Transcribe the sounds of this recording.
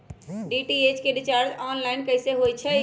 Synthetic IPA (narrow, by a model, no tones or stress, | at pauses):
ɖiʈiet͡ʃkeɖit͡ʃaːɾd͡ʒɔːnlaɪnkəɦseɦojt͡ʃʰɛ